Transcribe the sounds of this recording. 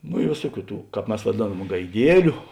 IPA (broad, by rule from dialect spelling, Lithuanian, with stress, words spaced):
noː ɪ ˈʋʲeːsuɔˌkʲuː ˈtuː ˈkɑːp ˈmʲɛs ʋɐˈdʲeːnɐm ɡɐɪˈdʲiɛlʲʊ